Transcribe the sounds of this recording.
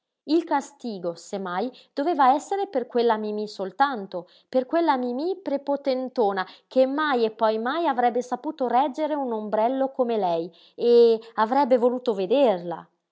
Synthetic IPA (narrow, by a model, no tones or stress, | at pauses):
ilkast̪iːɡosemːajd̪̥oveːvaɛsːeɾeperkwelːamimisolt̪ant̪o | perkwelːamimipɾepot̪ent̪oːnakemːajepːɔjmajavɾɛbːesapuːt̪orɛd͡ʒeɾeunombɾɛlːokomelɛj | eavɾɛbːevoluːt̪oved̪erla̰